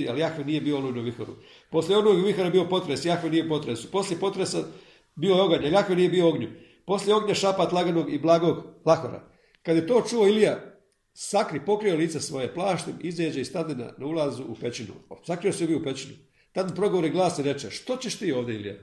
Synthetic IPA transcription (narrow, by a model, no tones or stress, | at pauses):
aljaxʋinije̞bioolonuʋixo̰ɾṵ | po̞sljeo̞noɡjuʋixoɾabio̞po̞t̪ɾesjaxʋeniːjepo̞t̪ɾesu̥po̞slʲje̞po̞t̪ɾesa | biːoeo̞ɡaɲeljaxʋiniːjebioo̞ɡɲu | po̞slʲjeo̞ɡɲaʃapat̪lˠaɡano̞ːɡiblˠaːɡo̞ːɡlˠaxo̰ɾa̰ | kad̪je̞t̪o̞ːt͡ʃuo̞ilija | sakɾipo̞kɾio̞liːt̪sesʋo̞jeplˠaːʃt̪emizeːd͡ʑeist̪ad̪ina̰naulˠazuupe̞t͡ʃinṵsakɾiosiobiupet͡ʃinu | t̪ad̪inpɾo̞ɡoʋoɾiɡlˠaːsiɾe̞t͡ʃeʃt̪o̞t͡ɕeʃt̪iːoːʋd̪eilija̰